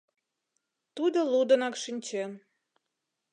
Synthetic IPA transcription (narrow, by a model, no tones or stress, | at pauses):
t̪ud̪əlud̪ənɑkʃinʲt͡ɕen